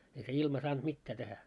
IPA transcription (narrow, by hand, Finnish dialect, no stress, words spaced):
ei se ilmɑ sɑːnt mitːæː tehæ